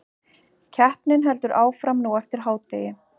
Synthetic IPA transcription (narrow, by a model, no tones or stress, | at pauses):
cʰɛhpnɪnɦɛlt̪ʏɾʔaːwfɾamnuːɛft̪ɪɾ̥ɦaːwt̪eːjɪ